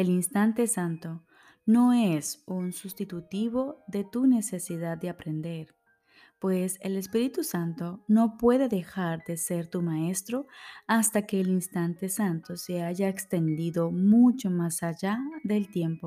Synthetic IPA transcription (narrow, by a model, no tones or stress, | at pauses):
e̞linst̪ant̪e̞sant̪o | no̞e̞sunsust̪it̪ut̪iβo̞ðe̞t̪une̞se̞siðad̪̚d̪eapɾe̞nd̪e̞ɾ | pwe̞sele̞spiɾit̪usant̪o̞no̞pwe̞ðe̞ðe̞xaɾðe̞se̞ɾt̪umae̞st̪ɾo̞ast̪ake̞ːlinst̪ant̪e̞sant̪o̞se̞aʝaekst̪e̞nd̪iðo̞mut͡ʃo̞masaʝaðe̞lt̪je̞mpo̞